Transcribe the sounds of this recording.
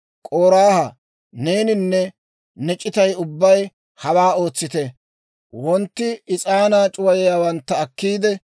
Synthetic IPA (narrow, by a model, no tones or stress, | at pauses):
kʼoːɾaːhɐ | neːnɪnːɛ | nɛt͡ʃʼːɪt̪ɐjʊbːɐj | hɐwaːo̞ːt͡sːɪt̪ɛ | wɔnt̪ːɪɪt͡sʼaːnaːt͡ʃʼʊwɐjɛjaːwɐnt̪ːɐːkːiːd̪ɛ